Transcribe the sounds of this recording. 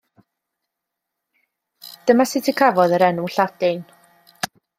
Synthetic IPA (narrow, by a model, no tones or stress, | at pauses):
d̥əmasɪtʰikʰavɔðəɾɛnuɬadɪn